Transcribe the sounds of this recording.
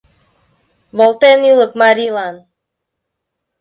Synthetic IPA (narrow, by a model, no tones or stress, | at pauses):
βolˠt̪enyləkmaɾilɑn